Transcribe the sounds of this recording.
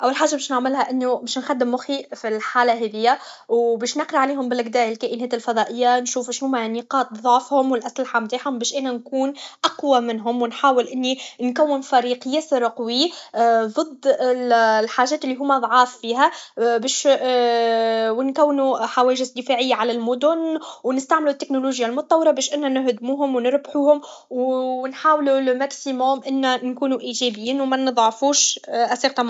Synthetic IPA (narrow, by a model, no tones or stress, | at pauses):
ʔawːalħaːʒːabeːʃnɪʕmɪlhæʔɪnːubɛːʃnxæd̪ːɪmːʊxifilħaːlaɦɛːðɪjːa | wbɛːʃnɑqɾɑʕaliːhʊmbɪlqd̪æːʔɪlkæːʔɪnæːt̪ɪlfɑðˤɑːʔɪjːanʃuːfʃhuːmæniːqɑːt̪̚ˤðˤoʕfhʊmwɪlʔaslaħamt̪aːħhʊmbɛːʃʔæːnænkuːnʔaqwamɪnɦʊmwɪnħaːwɪlʔɪnːinkæwːɪnfæɾiːqjæsɾqwiðˤɨd̪ˤːɪlħaːʒɛːt̪ɪlːiɦʊːmæðˤʕɑːfːiːɦæbɛːʃ | wɪnkæwːnuħawɛːɪʒɪzd̪ɪfaːʕɪjːaʕalælmʊd̪ʊnwnɪst̪aʕmlut̪ːɪknoluːʒjalmʊt̪̚ˤt̪ːˤɑwːɾɑbɛːʃʔɪnːænɪɦd̪muːɦʊmwnɪɾbħuːhʊm | wnħaːwlulmæksimoːmʔɪnːænkuːnuʔiːʒɛːbɪjːiːnwmænɨðˤʕɑfuːʃʔæsiːqt̪ɑm